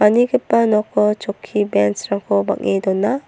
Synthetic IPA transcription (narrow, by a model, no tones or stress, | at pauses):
aniɡɯpːanɔkʰɔt͡ʃɔkʰːibɛnsɾaŋkʰoba̰k̚ʔed̪ɔnːa